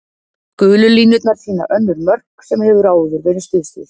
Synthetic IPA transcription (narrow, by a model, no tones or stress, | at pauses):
kʏːlʏliːnʏt̪naɾ̥siːna̰ʔœnːʏɾmœr̥ksɛmhɛːvʏɾaːwʏðʏɾveːɾɪst̪ɪðsɪɾ̥